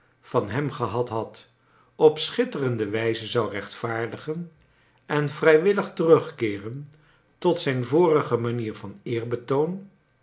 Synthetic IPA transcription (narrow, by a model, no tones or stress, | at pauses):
v̥ɑnɦɛmχəɦɑtɦɑt | ɔpsχɪtərəndəʋɛjzəzɑwrɛχtfaːɹdəχən | ɛnvrɛjʋɪləχtərɵχkɪːrən | tɔtsɛjnvʊːrəχəmaniːɹvɑnɪːrbətown